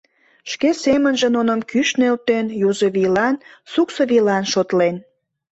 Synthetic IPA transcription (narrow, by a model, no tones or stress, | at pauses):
ʃkesemənʒĕnonəmkyʃnelt̪enjuzəβilɑnsuksoβilɑnʃot̪len